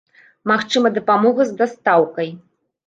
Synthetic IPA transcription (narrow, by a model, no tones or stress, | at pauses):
maxt͡ʂɨmɐd̪ɐpamɔɣɐzd̪ast̪awkɐj